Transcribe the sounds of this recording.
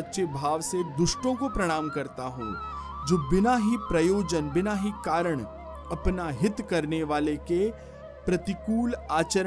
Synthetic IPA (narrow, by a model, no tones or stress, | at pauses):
ɐtːʃebʱaːʋsed̪ʊʃʈõkopɾɐɽ̃aːmkɐɾt̪aɦo̰ː | d͡ʒoːbɪnaːɦipɾɐjoːd͡ʒənbɪnaːɦikaːɾəɽ̃ | ɐpnaɦɪt̪kɐɾneʋaːleke | pɾɐt̪ɪkuːlaːt͡ʃəɾ